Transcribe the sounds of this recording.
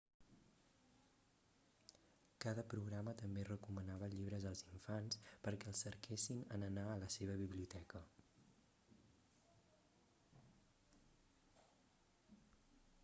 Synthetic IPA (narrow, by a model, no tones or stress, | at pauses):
kaðəpɾuɣɾamət̪əmberəkumənaβ̞əʎiβɾəzəlˠziɱfanspəɾkɛəlˠsəɾkʰesinə̰nənaələseβ̞əβiβliut̪ɛkə